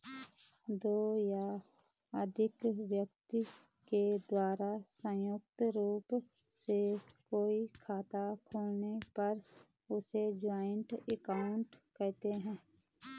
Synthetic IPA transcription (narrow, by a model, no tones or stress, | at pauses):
d̪oːja | əd̪ʱɪkʋjək̚t̪i | ked̪waːɾasə̃jʊk̚t̪ɾuːpsekoːikʰaːt̪akʰoːlnepɐɾ | ʊsed͡ʒaːɪɳʈɛkaʊɳʈkɛɦt̪eɦɛ̃ː